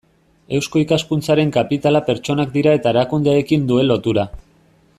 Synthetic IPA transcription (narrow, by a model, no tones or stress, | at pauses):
e̞wsko̞ikaskunt͡saɾe̞ŋkapit̪alape̞ɾt͡ʃo̞nak̚d̪iɾae̞t̪aeɾakund̪eːkind̪ue̞lːo̞t̪uɾa